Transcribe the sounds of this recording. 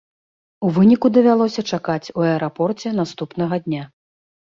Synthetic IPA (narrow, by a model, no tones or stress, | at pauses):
uvɨnʲikud̪ɐvʲalˠɔsʲɐt͡ʂakat͡sʲuɐɛɾapɔrt͡sʲɛn̪ast̪upnɐɣɐd̪ʲnʲa